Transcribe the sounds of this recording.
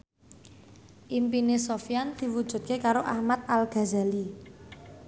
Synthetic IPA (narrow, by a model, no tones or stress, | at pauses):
ʔimpinesofjand̪̥i̤wud̥ʒ̥ṳt̪̚kekaɾoʔahmat̪̚alɡ̥a̤zali